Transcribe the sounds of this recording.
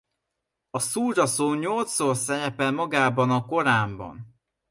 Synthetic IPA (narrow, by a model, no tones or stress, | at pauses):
ɒsuːd͡ʒɒsoɲɲo̞lt̪soːrsɛɾɛpɛlmɒɡaːbɒnɒko̞ɾaːmbɒ̰n